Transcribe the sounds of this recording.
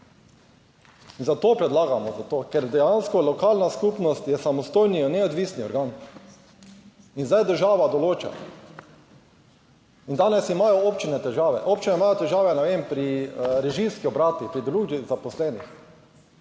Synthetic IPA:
inzat̪oːpɾɛd̪laːɡamɔzat̪oːkɛɾd̪ɛjanskɔlɔkalnaskupnɔst̪jɛsamɔst̪ojninɛod̪ʋisniɔɾɡaːn | inzajd̪əɾʒaːʋad̪ɔloːt͡ʃa̰ | ind̪aːnɛsimaːjɔopt͡ʃinɛt̪ɛʒaːʋɛ̰ʔoːp̚t͡ʃinɛimaːjot̪ɛʒaːʋɛnɛʋeːmpɾiɾɛʒimskiɔbɾaːt̪ipɾid̪ɾuːɡizapɔslɛːnix

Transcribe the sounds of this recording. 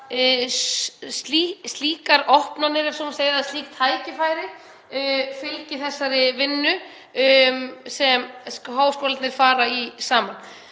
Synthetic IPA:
st̪list̪liːkaɾɔhpnanɪɾɛfsɔmseːjðaðst̪liːk̚t̪ʰaːjcɪfaːjɾɪ | fɪlcɪθɛsːaɾɪvɪnːʏ | msɛmɦaːwskɔːlat̪nɪɾ̥faːɾaisaːman

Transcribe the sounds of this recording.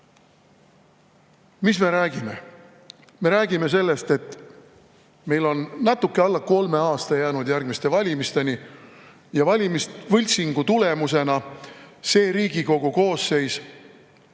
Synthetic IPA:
misme̞ɾæːɡ̥ime̞ | me̞ɾæːɡ̥ime̞s̬e̞lːe̞st̪e̞t̪ː | me̞jlo̞nːɑt̪ːukːeɑlːɑko̞lme̞ɑːst̪ɑjæːnud̪jærɡ̥̚mist̪e̞vɑlʲimist̪e̞ni | jɑvɑlʲimist̪vɯlʲsiŋɡ̥ut̪ule̞muse̞nɑse̞ːɾiːɡ̥iko̞ɡ̥uko̞ːsːe̞js

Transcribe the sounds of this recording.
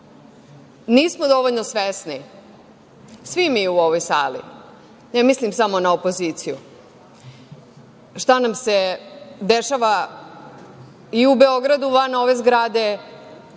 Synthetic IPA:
niːsmod̪o̞ʋoʎnosʋesni | sʋimiuoʋojsa̰ːlḭ | nemislimsamo̞naopo̞ziːt̪sijṵ | ʃt̪anamse̞d̪eʃaʋa | iubeo̞ɡɾad̪uʋano̞ʋe̞zɡɾad̪e̞

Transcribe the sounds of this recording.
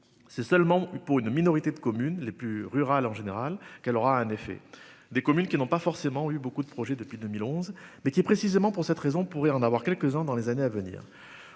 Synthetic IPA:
sɛsœlmɑ̃puʁynminɔʁit̪ed̪əkɔmynleplyʁyʁalɑ̃ʒeneʁalkɛlɔʁaɛ̃nefɛ̰ | d̪ekɔmynkʲinɔ̃pafɔʁsemɑ̃ybokud̪əpχɔʒɛd̪əpɥid̪əmilɔ̃zmɛkʲipχesizemɑ̃puʁsɛt̪ʁezɔ̃puʁɛɑ̃navwaʁkʲɛlkəzɛ̃d̪ɑ̃lezaneavənḭːʁ

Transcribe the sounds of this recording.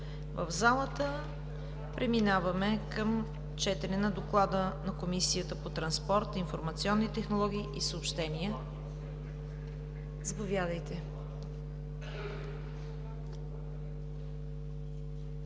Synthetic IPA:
və̰vzalˠət̪ə | pɾʔɛminavɐmɛkəm | t͡ʃɛt̪ɛnɛnɐd̪oklˠad̪ənɐkomisijət̪əpot̪ɾɐnspɔɾt̪infoɾmɐt̪siɔnːit̪ɛxnolˠɔɡ̟iːʔisəopʃt̪ɛniə | zɐpovʲjad̪əjt̪ɛ

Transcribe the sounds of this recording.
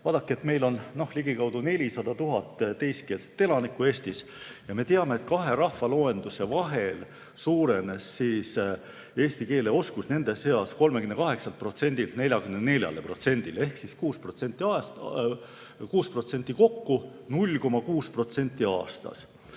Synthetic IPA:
vɑːd̪̥ɑkːˑie̞t̪me̞jlo̞nno̞hliɡ̥ikɑwd̪̥une̞lʲisɑd̪̥ɑt̪uɦɑt̪ːˑt̪e̞jst̪ke̞ːlse̥t̪ːe̞lɑnikːˑue̞ːst̪is | jɑme̞t̪eɑmeet̪̚kɑɦe̞ɾɑhvɑlo̞ːe̞nd̪use̞vɑɦe̞l | suːɾe̞ne̞sːiːs | e̞ːst̪ike̞ːle̞o̞skusne̞nd̪e̞se̞ɑsko̞lmekymne̞kɑɦe̞ksɑlt̪pro̞t̪se̞nʲd̪̥ilt̪ne̞lʲjɑɡymnene̞lʲjɑ̰lepro̞t̪se̞nʲd̪̥ilehksiskuːspro̞t̪se̞nʲt̪ːˑiɑs | kuːspro̞t̪se̞nʲt̪ːˑiko̞kːunulʲko̞mɑkuːspro̞t̪se̞nʲt̪ːˑiɑ̰ːst̪ɑ̰s

